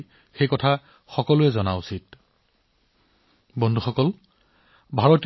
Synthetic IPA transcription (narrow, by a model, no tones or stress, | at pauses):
xejkɔtʰa | xɔkɔlʊɛzɔnausit | bɔndʱuxɔkɔl | bʱaɹɔt